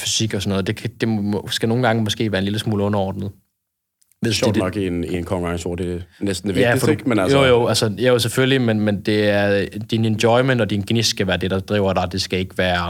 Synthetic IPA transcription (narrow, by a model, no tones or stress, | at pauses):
fysiɡ̥ɒsɒnɔːðˠd̥e̝kʰd̥e̝msɡ̥æno̝ːn̩ɡɑ̈ŋəmɒ̽sɡ̥e̝̰ːʋæːɐenliləsmuːləɔ̽nɐɒ̰ːd̥nð̩ˠ | ʋḛnɒɡ̥ieninkʰɒŋɑŋso̰ːd̥e̝nesd̥n̩deʋæifɒ̥menæjojoælsəjæjoseføllimenmend̥e̝æɐd̥inend̥jɔɪmen̰d̥ɒ̽d̥inɡ̥nisɡ̥æʋæːɐd̥e̝d̥ɑ̈d̥ʁḭːʊɐɾ̥ɑ̈d̥e̝sɡ̥æe̝ɡ̥ʋæːɐ